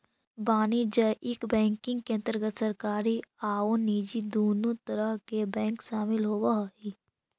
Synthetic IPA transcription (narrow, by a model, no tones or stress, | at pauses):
baːnid͡ʒəʔɪkbɛ̃ːŋkɪ̃ŋɡ̚keɐ̃nt̪əɾɡət̪səɾkaːɾiaːoniːd͡ʒid̪oːnut̪əɾəɦkebɛ̃ːŋkʃaːmɪlɦoːwaɦi